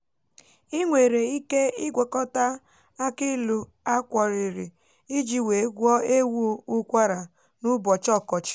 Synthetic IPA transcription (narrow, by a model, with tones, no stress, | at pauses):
i˦ŋʷe˨ɾe˨i˦ke˦i˦ɡʷe˨kɔ˦ta˦ | a˦ki˦lu˨ | a˦kʷɔ˨ɾi˨ɾi˨ | i˦d͡ʒi˨we˨˦ɡʷɔ˦e˦wu˦u˦kʷa˦ɾa˨ | nu˦bɔ˨t͡ʃɔ˦˨kɔ˨t͡ʃɪ̥˨